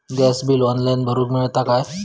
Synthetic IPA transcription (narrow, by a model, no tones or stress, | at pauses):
ɡɛsbiːlɔnlainbʱəɾuːkmiɭt̪akaj